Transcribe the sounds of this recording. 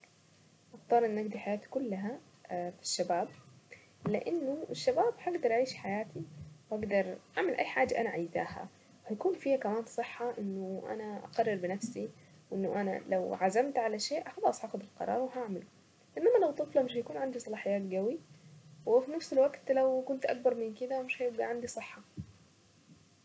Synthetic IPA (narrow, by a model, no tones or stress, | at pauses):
ʔɑxt̪ˤɑːɾˤʔɪnːʔaɡd̪iħajaːt̪i̥kʊlːaɦa | fi̥ʃːabaːb̚ | lɪʔanːʊɪʃːabaːbhaɡd̪ɑɾˤʔaʕiːʃħajaːt̪iwʔaɡd̪ɑɾˤʔaʕmɪlʔa̰jːħaːd͡ʒːaʔanaʕajza̰ːha̰ | whajkuːnfiːhakamaːnsˤɨħːɑʔɪnːʊʔa̰naʔa̰qɑrˤːɑɾbɪnafsi | wʔɪnːʊʔana̰lawʕazamt̪ʕalaʃeːʔxɑlɑːsˤʔaːxʊd̪ɪlqɑ̰ɾˤɑ̰ːɾˤwɪɦaʕmal | ʔɪnːamːalawt̪ˤːɨflɑmɪʃhjakuːnʕand̪isˤɑlɑːħɪjːaːt̪ɡawiwɪfinafsɪlwaɡt̪lawkʊnt̪ʔak̚bɑɾˤmɪnkɪd̪amɪʃhajɪb̚ɡaʕand̪isˤɨħːɑ